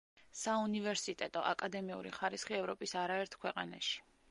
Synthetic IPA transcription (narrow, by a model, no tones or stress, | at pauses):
saunivɛɾsit̪ʼɛt̪ʼɔ̰ʔa̰kʼad̪ɛmiṵɾḭχaɾisχiɛvɾɔpʼisaɾaɛɾt̪ʰkʰwɛqʼana̰ʃi̥